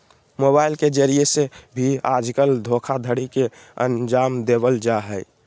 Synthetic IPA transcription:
mobaɪlked͡ʒəɾiesebʱiad͡ʒkəld̪ʱokʰad̪ʱəɽike | ə̰nd͡ʒaːmd̪ebəld͡ʒaɦɛɪ

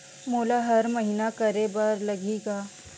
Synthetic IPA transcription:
moːlaɦɐɾmɐɦiːnakɐɾebɐɾlɐɡeːɡaː

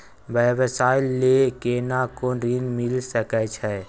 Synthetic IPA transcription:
bɛʋəsaːɪlːekeːnakoɾinmɪlsəkət͡ʃʰɛ

